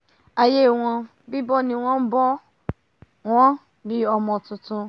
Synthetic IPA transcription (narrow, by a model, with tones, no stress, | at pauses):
a˨je˦˨w̃ɔ̃˧ | bi˦bɔ˦nĩ˧w̃ɔ̃˦m̩˦bɔ˦ | w̃ɔ̃˦ | bi˦ɔ˧mɔ̃˧tũ˧tũ˧